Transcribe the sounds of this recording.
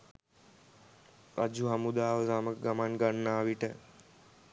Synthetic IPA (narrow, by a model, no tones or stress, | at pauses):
ɾa̰d͡ʒuɦɐmud̪aːʋəzaːmək̚ɡɐmaːnɡɐɳːaːʋiʈə